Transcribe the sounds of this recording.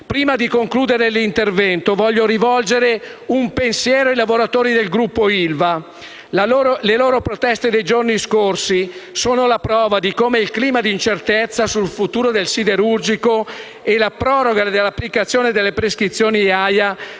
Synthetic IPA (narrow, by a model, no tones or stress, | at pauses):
pɾiːmad̪ikoŋkluːd̪eɾelint̪ervɛnt̪ovɔʎːoɾivɔld͡ʒeɾeumpensjɛːɾoilavoɾat̪oːɾid̪elɡɾupːoilva | laoːɾleloːɾopɾot̪ɛst̪ed̪ejd͡ʒorniskorsisoːnolapɾɔːvad̪ikomeilkliːmad̪iːnt͡ʃert̪et̪sːasulfut̪uːɾod̪elsid̪eɾurd͡ʒiko | elapɾɔːɾoɡad̪elːapːlikat̪sːjoːned̪elːepɾeskɾit̪sːjoːniaja